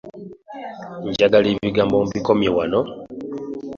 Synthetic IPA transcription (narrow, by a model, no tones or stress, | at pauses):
ɲɟaɡaliːβiɡaːmbomubikomjewano